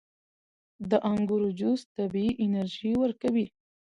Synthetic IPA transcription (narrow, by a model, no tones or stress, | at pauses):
d̪əʔaŋɡuɾod͡ʒust̪abiiʔɪnaɾʒiwəɾkawi